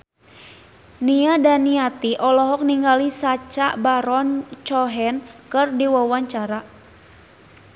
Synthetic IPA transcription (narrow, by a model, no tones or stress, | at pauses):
niadaniat̪iʔɔlɔɦɔk̚niŋɡalisat͡ʃabaɾɔnt͡ʃɔɦɛnkɨrdiwawaɲt͡ʃaɾa